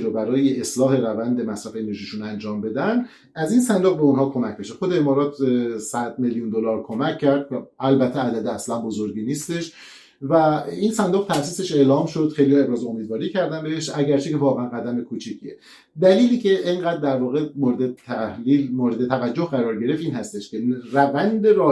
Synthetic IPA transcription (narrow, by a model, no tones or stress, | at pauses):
ɾobæɾɒːje̞ʔeslɒːɦe̞ɾævænd̪e̞mæsɾæfeene̞ɾʒiːʃunænd͡ʒɒːmbe̞d̪ænd̪ | æzinsænd̪oɣbe̞onhɒːkʰo̞mæcʰbe̞ʃexo̞d̪eemɒːɾɒːt̪ʰsæd̪̥̚meljund̪olɒːɾkʰo̞mæcʰːæɾd̪ælbæt̪ʰːeæd̪æd̪eæslænbo̞zoɾɟiːniːst̪e̞ʃ | væinsænd̪oɣ̚t̪ʰæfsiːse̞ʃe̞ʔlɒːmʃod̪̥xejlihɒːe̞bɾɒːzoomiːd̪vɒːɾiːcʰæɾd̪ænbeeʃæɟæɾt͡ʃʰekʰe̞vɒːɣeænɡæd̪æme̞kʰut͡ʃʰiːcʰie | d̪æliːliːcʰe̞ʔeŋɢæːd̪ːæɾvɒːɣe̞moːɾed̪et̪ʰæilmoːɾed̪et̪ʰævæd͡ʒːo̞hɢæɾɒːɾɟe̞ɾe̞fiːnhæst̪eʃcʲʰe̞rævænd̪e̞ɾɒː